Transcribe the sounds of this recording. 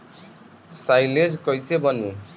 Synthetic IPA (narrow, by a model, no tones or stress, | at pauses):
sajled͡zkʌjsebʌni